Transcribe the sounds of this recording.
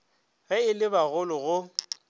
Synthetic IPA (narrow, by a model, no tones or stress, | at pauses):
ɣɛɪlɪbaɣʊlʊɣʊ